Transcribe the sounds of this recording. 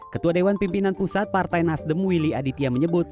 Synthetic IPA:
kət̪uadewanpimpinanpusat̪̚part̪ajnasdəmwiliadit̪iaməɲəbʊt̪̚

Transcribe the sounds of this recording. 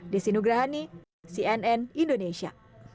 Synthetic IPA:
disinuɡɾaɦani | siɛnɛnindonesia̰

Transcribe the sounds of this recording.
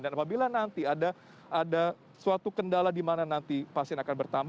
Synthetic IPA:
danapabilanant̪iada | ada | suat̪ukəndaladimananant̪ipasɛnakanbərt̪amb

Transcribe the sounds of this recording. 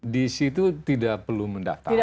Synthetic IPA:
disit̪ut̪idaʔ̚pərlumənda̰ft̪a̰

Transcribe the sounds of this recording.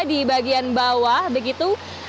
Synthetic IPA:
dibaɡianbawahbəɡit̪u

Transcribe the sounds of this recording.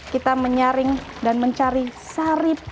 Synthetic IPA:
kit̪aməɲaɾɪŋdanməɲt͡ʃaɾisaɾɪp̚

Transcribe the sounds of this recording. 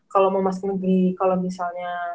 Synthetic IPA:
kaloməmas̬ʊk̚nəɡɾikalomisalɲa

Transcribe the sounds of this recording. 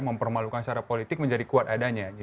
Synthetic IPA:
məmpərmalukanst͡ʃaɾapolit̪ɪk̚məɲd͡ʒadikuat̪adaɲa

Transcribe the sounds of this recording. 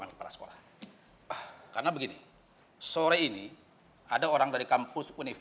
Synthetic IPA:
andipaɾa̰sə̥ko̰lah | karnabəɡini | soɾɛini | adaoɾaŋdaɾikampʊspunif

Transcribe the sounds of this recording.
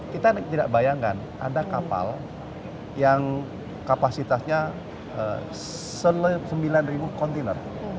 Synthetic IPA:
kit̪ant̪idaʔbajaŋkan | ʔa̰dakapa̰l | jaŋ | kapasit̪asɲa | ə̰ | səlsəmbilanribukɔnt̪inə̰r

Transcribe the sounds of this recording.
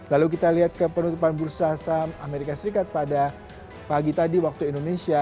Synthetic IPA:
laluk̬it̪aliɦat̪̚kəpənut̪upanbuɾusasamameɾikasəɾikat̪̚pada | paɡit̪adiwak̚t̪uindonesia

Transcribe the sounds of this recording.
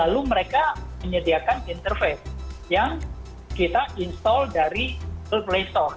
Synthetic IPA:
laluməɾekaməɲədiakanint̪ərfesjaŋ | kit̪aʔinst̪ɔldaɾipəlplest̪ɔr

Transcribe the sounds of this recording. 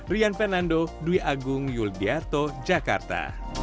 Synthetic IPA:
rianpɛnandoduiʔaɡʊŋjulbiat̪od͡ʒaka̰rt̪a̰

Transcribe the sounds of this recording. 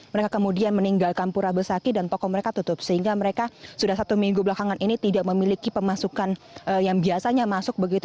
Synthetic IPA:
məɾekakəmudianməniŋɡalkanpuɾabərsakidant̪ɔkɔməɾekat̪ut̪ʊp̚səhiŋɡaməɾekasudahsat̪umiŋɡublakaŋanʔinit̪idaʔməmilikipəmasukanʔəjaŋbiasaɲamasʊk̚bəɡit̪

